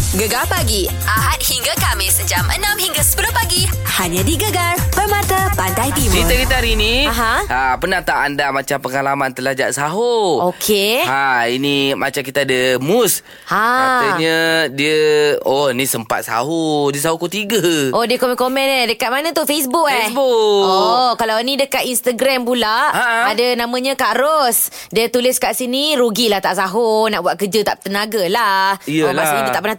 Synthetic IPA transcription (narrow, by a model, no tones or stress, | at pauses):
ɡəɡalpaɡi | ʔaɦat̪̚hiŋɡakamɪsəd͡ʒamʔə̰nãmhiŋɡasə̥pəlʊpaɡi | haɲədiɡəɡarpərmat̪apandajdimit̪əkit̪aɾinĩaɦãapənaht̪aʔandamat͡ʃampəŋalamant̪əlahd͡ʒa̰ʔsaɦookʰehainima̰t͡ʃakit̪aːdəmus | haat̪əɲədiəonĩsəmpa̰t̪̚sa̰ɦodiəsaɦukot̪iɡəʔodiəkomɛ̃nkomɛ̃nadəkat̪̚manə̃t̪uhfesbukbuokalawinĩdəkat̪inst̪aɡɾampulaʔaadanãmə̃ɲə̃kaɾos | diət̪ulɪskaʔsiniɾuɡilaht̪aʔsaɦonaʔbuat̪̚kəd͡ʒət̪aʔt̪ənaɡalahiəlasnĩdiət̪aʔpəna